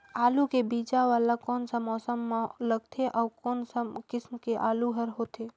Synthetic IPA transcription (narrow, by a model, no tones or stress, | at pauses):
alukebid͡ʒaʋalakɔnsəmɔsəmːeləɡt̪ʰeʔaukɔnsəmkɪsmkeʔaluɦəɾɦot̪ʰe